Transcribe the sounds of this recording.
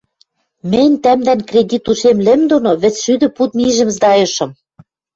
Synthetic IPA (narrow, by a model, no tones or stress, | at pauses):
mɘ̆nʲt̪æmd̪ænkrʲedʲit̪uʃemlɘ̆md̪onoβɘ̆t͡sʃyd̪ɘ̆put̪̚miʒɘ̆mzd̪ɑjɤ̆ʃɤ̆m